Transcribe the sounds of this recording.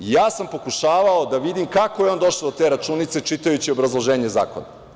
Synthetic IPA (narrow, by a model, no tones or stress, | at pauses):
jaːsampo̞kuʃaːʋao̞d̪aʋid̪imkakojeo̞nd̪o̞ʃlod̪ot̪e̞ːɾat͡ʃunit̪se̞t͡ʃit̪ajut͡ɕiobɾazlˠoʒe̞ːɲe̞za̰ːko̰na